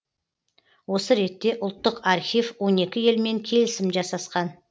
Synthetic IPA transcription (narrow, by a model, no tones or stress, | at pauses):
wo̞səɾe̞t̪ːe̞ʔʊlˠt̪ːəqɑɾxʲijvwo̞ne̞kʲɪje̞lme̞ŋkʲʰe̞lɪsɪmʒɑsɑsqɑn